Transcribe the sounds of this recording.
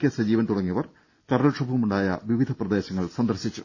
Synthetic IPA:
kʲːesɐd͡ʑiːʋɐnt̪uɽɐŋːijɐʋɐr | t̪ɐɾɐlʂɐbʱɐʋumuɳɖaːjɐ̰ʋiʋid̪ʱɐprɐd̪e̞ːɕɐŋːɐɭsɐnd̪ɐrɕit͡ɕːu

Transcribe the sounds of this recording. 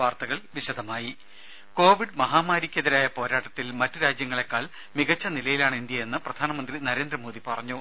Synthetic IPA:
ʋaːrt̪ɐɣɐɭʋiɕɐd̪ʱɐmaːji | ko̞ːʋiɖmɐɦaːmaːɾikʲːɐðiɾaːjɐpo̞ːɾaːʈːɐt̪ːilmɐtːɨɾaːd͡ʑjɐŋːɐɭe̞kːaːɭ | miɣɐt͡ɕːɐnilɐjilaːɳind̪jɐje̞nːɨprɐd̪ʱaːnɐmɐnd̪rinɐɾe̞ːnd̪rɐmo̞ːd̪ipɐrɐɲːu

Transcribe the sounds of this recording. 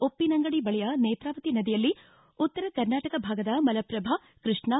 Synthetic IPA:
opːinɐŋɡɐɽibɐɭɛjɐneːt̪ɾaːʋɐt̪inɐd̪ijɐlːi | ut̪ːɐɾɐkɐɾnaːʈɐkɐbʱaːɡɐd̪ɐmɐlɐpɾɐbʱa | kɾɨʂɳɐ

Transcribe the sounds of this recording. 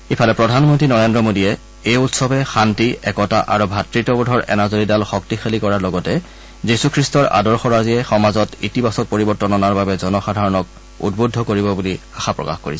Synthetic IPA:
ipʰalɛpɹɔdʱanmɔntɹinɔɹendɹɔmodiɛ | ejutsɔbɛxantiɛkɔtaʔaɹubʱatɹitɔbɔdʱɔɹʔɛ̰nazoɹidalxɔktixalikɔɹaɹlɔɡɔtɛ | zisukʰɹistɔɹʔa̰dɔɹxɔɹaziɛxɔmazɔtitibasɔk̚poɹibɔɹtɔnɔnaɹbabɛzɔnɔxadʱaɹɔnɔk̚ | ṵdbodʱɔkoɹibɔbuli | axapɹɔ̰ka̰xko̰ɹisɛ

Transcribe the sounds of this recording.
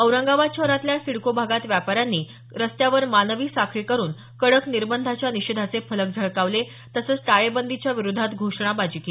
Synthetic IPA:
əwɾəŋɡaʋat͡ɕʰəɾat̪ljasiɽkobʱaɡat̪ʋjapaɾjanːiː | ɾəst̪jaʋəɾmanʋiːsakʰɾikəɾuːn | kəɽəkniɾbənd̪ʱat͡ɕjaniɕed̪ʱat͡sefələk̚d͡zʱəɭkaʋle | t̪əsəːt͡sʈ̪aɭebənd̪ʱit͡ɕjaʋiɾud̪ʱːat̪ɡʱoʂɳ̃abad͡ʑike

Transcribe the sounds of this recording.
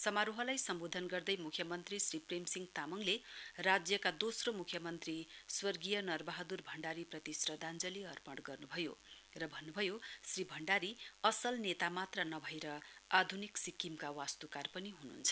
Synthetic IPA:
sʌmaɾuɦʌlajsʌmbod̪ʱʌnɡʌrd̪ʌjmukʰjʌmʌnt̪risripremsiŋɡt̪amʌŋlerad͡zjʌkad̪osromukʰjʌmʌnt̪riswʌrɡijʌnʌrbaɦʌd̪urbʱʌɳɖaɾiprʌt̪isrʌd̪ʱand͡zʌliʌrpʌɽɡʌrnubʱʌjo̰rʌbʱʌnːubʱʌjosribʱʌɳɖaɾiʌsʌlnet̪amat̪rʌnʌbʱʌjɾʌad̪ʱuniksikːimkawast̪ukarpʌniɦunṵnt͡sʰʌ

